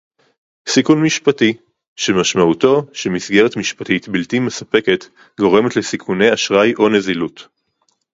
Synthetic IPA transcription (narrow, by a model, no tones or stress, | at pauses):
sikunmiʃpati | ʃemaʃmauto̞ʃemisɡe̞ʁetmiʃpatitbiltimesape̞ke̞t | ɡo̞ʁe̞metlesikʰune̞jaʃʁajʔo̞ne̞zilut